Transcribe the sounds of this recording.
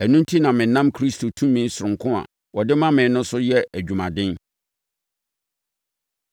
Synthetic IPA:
æ˨nũ˦n˦tʰi˦nã˨mɪ̃˨˦nã˦mkʰɾi˦stʰo˨tʰũ˦mːĩ˦n̩˦sʊ˨ɾʊ̃˨ŋkʰʊ̃˦a̰˨ | wɔ˨dɪ˦mã˦mɪ̃˨nʊ̃˦nsʊ˦jɛ˦æ˨d͡ʑᶣu˨mã˨dɪ̃˦n

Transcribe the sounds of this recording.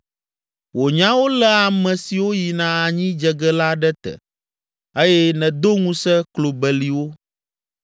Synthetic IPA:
wo˨ɲã˦wo˦lɛ˦a˨mɛ̃˨si˨wo˦ji˨nã˦a˨ɲĩ˦d͡ʒɛ˨ɡɛ˦la˦ɖɛ˦t̪ɛ̰˨ | e˦jɛ˦nɛ̃˨d̪o˦ŋũ˦sɛ˦klo˨bɛ˨li˨wo˦

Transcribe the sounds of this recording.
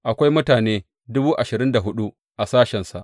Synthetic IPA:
ʔa˨kʷa˦jmʊ˦taː˨neː˦ | dʊ˦buː˦ʔa˨ʃɪ˨ɾɪ˦nda˨ɦʊ˦ɗu˦ | ʔa˨saː˦ʃɛ˨nsa̰˨ʔ

